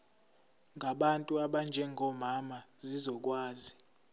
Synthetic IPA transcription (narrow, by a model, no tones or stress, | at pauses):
ŋɡʱaɓantʼuaɓand͡ʒʱɛŋɡʱɔmamazizɔk̬ʼwaːzi